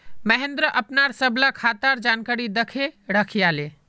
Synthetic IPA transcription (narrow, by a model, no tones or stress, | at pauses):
məɦend̪ɾəʔəpnaɾsəbʱlakʰat̪aɾd͡ʒankaɾid̪əkʰeɽəkʰijale